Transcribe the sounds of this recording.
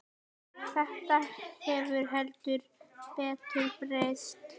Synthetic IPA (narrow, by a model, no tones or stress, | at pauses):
θɛht̪ahɛvʏɾ̥ɦœlt̪ʏɾpɛːt̪ʰʏɾpɾest̪